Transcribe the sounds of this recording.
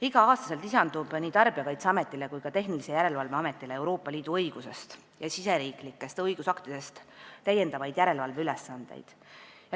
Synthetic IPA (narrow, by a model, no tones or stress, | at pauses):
iɡɑɑːst̪ɑ̥se̞lt̪isɑnd̪ub̥niːt̪ɑrb̥iɑkɑjt̪seɑme̞t̪ˑːile̞kujkɑt̪e̞ɦnilisejæɾe̞lvɑlve̞ɑme̞t̪ːˑilee̞wɾo̞ːpːˑɑliːd̪̥uɤjɡ̥use̞st̪ | jɑsise̞ɾiːklikːˑe̞st̪ɤjɡ̥usɑkt̪id̪e̞st̪t̪æje̞nd̪ɑvɑjd̪̥jæɾe̞lvɑlve̞ylesːɑnd̪̥ḛjd̪̥ | jɑ